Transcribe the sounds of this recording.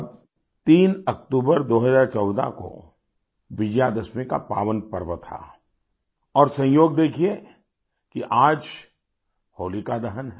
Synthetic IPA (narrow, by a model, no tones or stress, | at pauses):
b | t̪iːnɐk̚ʈuːbəɾd̪oːɦəzaːɾt͡ʃɔːd̪a̰ko̰ | ʋɪd͡ʒjad̪ɐsmeka̰pa̰ːʋənpɐɾʋət̪ʰa̰ː | ɔːɾsɐ̃joːɡ̚d̪eːkʰie | kiʔaːd͡ʒ | hoːlikad̪ɐɦənɦɛ